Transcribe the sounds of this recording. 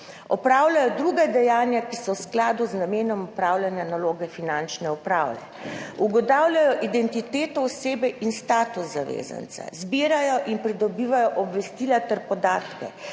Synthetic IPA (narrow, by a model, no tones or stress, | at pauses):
ɔpɾaːwlʲajɔd̪ɾuɡad̪ɛjaːnjakisɔwsklaːd̪uznameːnɔmɔpɾaːwlʲanjanaloːɡɛfinant͡ʃnɛupɾa̰ːwlɛ̰ | uɡɔt̪aːwlʲajɔʔid̪ɛnt̪it̪eːt̪ɔwseːbɛʔinst̪aːt̪usːaʋḛza̰nt̪sa̰zbiːɾajɔʔinpɾid̪ɔbiːʋajɔʔɔbʋɛst̪ilat̪ɛɾpɔd̪aːt̪kɛ̰